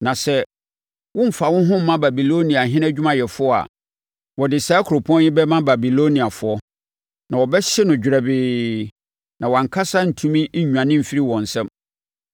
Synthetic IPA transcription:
nã˨sɛ˦ | wʊ̃˦m̩˨fa˨wʊ̃˦ɦʊ̃˦m̩˦mã˦ba˨bi˨lo˦nĩ˨a˨ɦɪ̃˦nɛ˦d͡ʑᶣu˦mã˨jɛ˨fʊ˦ɔ˦a̰˨ | wɔ˨dɪ˨saː˦kʰʊ˨ɾo˨pʰɔ̃˦njɪ˦bɛ˦mã˦ba˨bi˨lo˦nĩ˨a˨fʊ˨˦ɔ˦ | nã˨wɔ˨bɛ˦ɕɛ˦nʊ̃˨d͡ʑᶣɾɛ˨bɪː˨ | nã˨wã˨ŋ̩˨kʰa˦sa˦n̩˨tʰũ˦mĩ˦ɲᶣ˨ã˨nɪ̃˦m̩˨fi˦ɾi˦wɔ̃˨n̩˨sɛ̃˦m

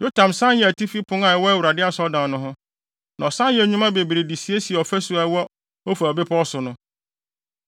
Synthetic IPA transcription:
jo˦tʰã˨msã˦njɛ˨æ˨tʰi˦fi˦pʰʊ̃˦ŋã˨ɛ˨˦wɔ˦æ˦wu˨ɾa˨dɪ˦a˨sɔ˦dã˨nʊ̃˦ɦʊ̃˦ | nã˨ɔ˨sã˦jɛ˨ɲũ˦mã˦be˨bi˨ɾe˨di˨si˨e˦si˨ɛ˨ɔ˨fæ˦su˨˦a˨˦wɔ˦ | o˦fa˨ɔ˨bɪ˦pʰɔ˦ɔ˦sʊ˨nʊ̃˦

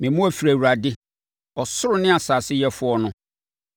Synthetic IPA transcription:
mɪ̃˨mʊ̃˦æ˦˨fi˨ɾæ˨wu˨ɾa˨dɪ˦ | ɔ˨sʊ˦ɾʊ˨nɪ̃˦a˨sa˨sɪ˦jɛ˦fʊ˦ɔ˦nʊ̃˦

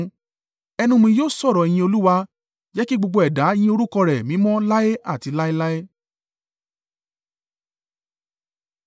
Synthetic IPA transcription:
ɛ˧nũ˧mĩ˧joː˦˨sɔ˦˨ɾɔ˨i˨j̃ĩ˧o˧lu˦wa˧ | d͡ʒɛ˦ki˦ɡ͡bo˧ɡ͡bo˧ɛ˨da˨˦i˧˦j̃ĩ˧˦o˧ɾu˦kɔ˧ɾɛ˨mĩ˨˦mɔ̃˦la˦e˦a˦˨ti˨˧la˦e˦la˦e˦

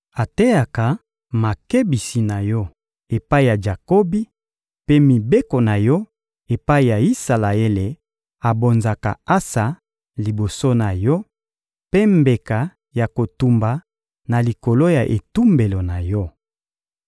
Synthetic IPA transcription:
a˨te˦ja˨ka˨ | ma˨ke˦bi˨si˨na˨jɔ˦ | e˨pa˦i˨ja˨d͡ʒa˨ko˦bi˦ | pe˦mi˨be˦ko˨na˨jɔ˦ | e˨pa˦i˨ja˨i˦sa˨la˨e˦le˨ | a˨bo˨nza˨ka̰˨a˦sa˨ | li˨bo˨so˦na˨jɔ˦ | pe˦mbe˨ka˨ | ja˨ko˨tu˨mba˨ | na˨li˨ko˨lo˦ja˨ʔḛ˨tu˦mbe˨lo˨na˨jɔ˦

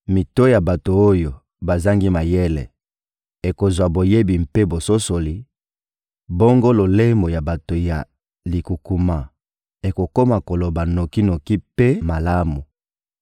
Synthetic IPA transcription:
mi˨to˦ja˨ba˨to˨o˦jo˨ | ba˨za˦ŋɡi˦ma˨je˦lɛ̰˨ | e˨ko˨zwa˨bo˨je˦bi˨mpe˦bo˨so˦so˨li˨ | bo˦ŋɡo˦lo˨le˦mbo˨ja˨ba˨to˨ja̰˨ | li˨ku˨ku˨ma˨ | e˨ko˨ko˦ma˨ko˨lo˨ba˨no˨ki˦no˨ki˦pe˦ma˨la˦mu˨

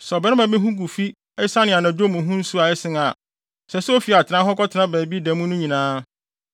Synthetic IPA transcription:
sɔ˨bɛ˨˦nɪ̃˦mã˨be˦ɦũ˦ɡu˨fi˦ | ɛ˦sa˦nɪ̃˨a˨nã˨d͡ʑo˦mũ˨ɦũ˦n̩˦su˦a˨ɛ˦sɪ̃˦ŋa˨ | sɛ˨sʊ˦o˦fi˨a˨tʰɪ˨nã˦ɦɔ˦kɔ˦tʰɪ˨nã˦bæː˨bi˦dæ̃˨mũ˦nʊ̃˦ɲĩ˨nãː˦

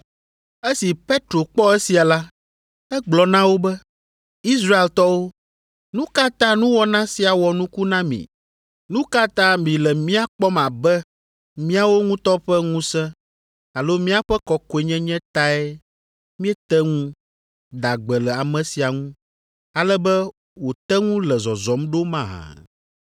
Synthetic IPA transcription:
e˦si˨pe˦t̪ɾo˨k͡pɔ˦e˦si˨a˨la˦ | ɛ˦ɡ͡blɔ˨nã˦wo˦bɛ˦ | i˦sɾa˦e˨lt̪ɔ˦wo˦ | nũ˦ka˦t̪ã˦nũ˦wɔ˦nã˦si˨a˨wɔ˨nũ˦ku˦nã˦mḭ̃˨ | nũ˦ka˦t̪ã˦mĩ˨lɛ˨mĩ˦a˦k͡pɔ˦mã˨bɛ˦ | mĩ˦a˦wo˦ŋũ˦t̪ɔ˦ɸɛ˦ŋũ˦sɛ̃˦ | a˨lo˦mĩ˦a˦ɸɛ˦kɔ˦ko˦ɛ˨ɲɛ̃˦ɲɛ̃˦t̪a˦ɛ˦ | mĩ˦ɛ˦t̪ɛ˦ŋũ˦ | d̪a˨ɡ͡bɛ˨lɛ˨a˨mɛ̃˨si˨a˨ŋũ˦ | a˨lɛ˦bɛ˦ | wo˨t̪ɛ˦ŋũ˦lɛ˨zɔ˨zɔ˨˦mɖo˦mã˦˨ɦã̰˨

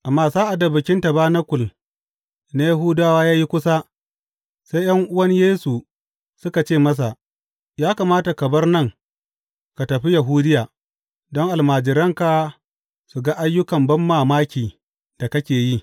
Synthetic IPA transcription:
ʔa˨mːaː˦zaː˦ʔa˨da˨bɪ˨kʲɪ˦nta˨baː˦na˦kʷʊ˨l | na˦ja˦ɦuː˦daː˦waː˦jaː˦ji˦kʷʊ˦sa˦ | sa˦jjɐ˦ŋʔʊ˦wɐ˦ɲjeː˦su˨ | sʊ˦ka˨t͡ʃeː˦˨mɐ˦s̬a˨ʔ | jaː˦ka˨maː˦ta˨kɐ˨bɐ˦rnɐ˦˨ŋ | ka˨tɐ˨ɸi˦ja˨ɦuː˦dɪ˦jaː˨ | dɔ˦ŋʔa˨lmaː˨d͡ʒɪ˨ɾɐ˦ŋka˨ | su˨ɡa˦ʔa˦jːʊ˦kɐ˨mbɐ˦mːaː˦˨maː˦kʲiː˨ | da˨kɐ˦kʲeː˨ji˦

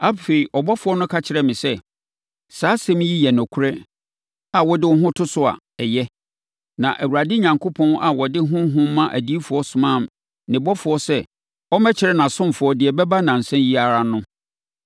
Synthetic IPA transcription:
a˦fe˨i˨ʔɔ˨bɔ˦fʊ˨ɔ˦nʊ̃˦kʰa˦t͡ɕʰɪ˨ɾɛ˨mɪ̃˨sɛ˦ | saː˨˦sɛ̃˦m˦ji˦jɛ˨nɔ̃˨kʰu˦ɾɛ˦ | a˨wɔ˦dɪ˦wɔ˦ɦʊ̃˦tʰʊ˦sʊ˨a̰˨ | ɛ˨jɛ˦ | nã˨ʔæ˨wu˨ɾa˨dɪ˦ɲã˨ŋkʰo˦pʰɔ̃˦na˨wɔ˨dɪ˦ɦʊ̃˦ɦʊ̃˦m˦mã˦ʔæ̰˨di˦i˦fʊ˨ɔ˦sʊ˨mã˦˨m˨ | nɪ̃˨bɔ˦fʊ˨˦ɔ˦sɛ˦ | ɔ˦mɛ˦t͡ɕʰɪ˨ɾɛ˦nã˨sʊ̃˦m˨fʊ˨˦ɔ˦dɪ˨ɛ˨bɛ˦ba˦nã˨n̩˨sɛ̃˦nji˦a˦˨ɾa˨nʊ̃˦

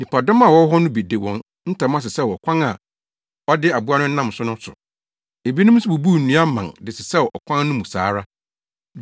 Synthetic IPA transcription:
nĩ˨pʰa˨dɔ̃˦ma˨wɔ˦ɦɔ˦nʊ̃˦bi˨de˨wɔ̃˨n | n̩˦tã˨˦m˦ã˦˨s̬ɪ˨sɛ˦˨wɔ˨kʷʰã˦na˨ | ɔ˦dɪ˦a˨bu˦a˦nʊ̃˦n̩˦nã˦m˨sʊ˦nʊ̃˦sʊ̰˨ | e˨bi˦nʊ̃˦m˦sʊ˦bu˨bu˦˨n̩˨nũ˨˦a˦mã˨ndɪ˨sɪ˨sɛ˦ʔɔ˨kʷʰã˦nnʊ̃˦mũ˨sa̰ː˨˦ɾa˦

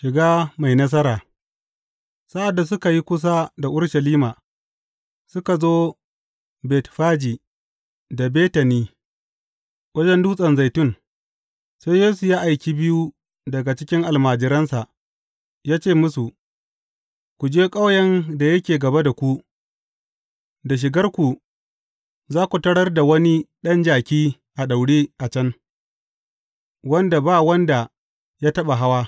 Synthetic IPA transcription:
ʃɪ˨ɡaː˦ma˨jnɐ˦s̬ɐ˦ɾaː˨ | sa˦ʔa˨dːa˨s̬ʊ˦ka˨ji˦kʷʊ˦s̬a˦da˨ʔʊ˦ɽʃɐ˨liː˦maː˨ | sʊ˦ka˨zoː˦ | bɛː˨tɸaː˦d͡ʒiː˨ | da˨beː˦tɐ˨niː˦ | wɐ˦d͡ʒɛ˦nduː˦sʼɐ˨nza˨jtʊ˦ŋ | sa˦jjeː˦su˨jaː˦ʔa˨jkʲi˦bɪ˦ju˦ | dɐ˨ɡa˨t͡ʃɪ˦kʲɪ˦ŋʔa˨lmaː˨d͡ʒɪ˨ɾɐ˦nsa˨ʔ | jaː˦t͡ʃeː˦˨mʊ˦su˨ | kʷu˨d͡ʒeː˦kʼa˦wjɐ˦nda˨jɐ˦kʲeː˨ɡɐ˨ba˦da˨kʷu˦ | da˨ʃ̬ɪ˨ɡɐ˦rkʷu˨ | zaː˦kʷu˨tɐ˦ɽɐ˦rda˨wɐ˦ni˦ɗɐ˦nd͡ʒaː˨kʲiː˦ | ʔa˨ɗa˨wɽiː˦ʔa˨t͡ʃɐ˦n | wɐ˦nda˨baː˦wɐ˦nda˨ | jaː˦tɐ˦ɓa˨ɦa˦waː˦

